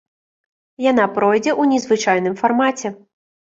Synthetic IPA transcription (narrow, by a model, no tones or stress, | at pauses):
janapɾɔjd͡zʲɛʔunʲɛzvɨt͡ʂajnɨmfarmat͡sʲɛ